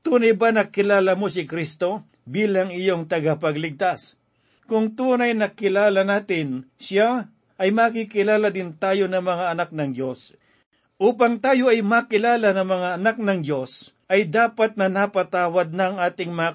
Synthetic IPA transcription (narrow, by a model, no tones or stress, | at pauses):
t̪uːnɐjbanɐkɪlaːlɐmosɪkɾist̪o̞ | biːlɐŋɪjoŋt̪ɐɡapɐɡlɪɡ̚t̪as | kʊŋt̪uːnɐjnɐkɪlaːlanaːt̪ɪnʃa | ʔɐjmakikɪlaːlɐd̪ɪnt̪aːjo̞nɐŋmɐŋaɐnak̚nɐŋdjo̞s | ʔuːpaŋt̪aːjo̞ʔɐjmakɪlaːlanɐŋmɐŋaɐnak̚nɐŋd̪jo̞s | ʔɐjd̪aːpat̪̚nɐnapɐt̪aːwɐd̪̚nɐɐŋʔaːt̪ɪŋmɐŋa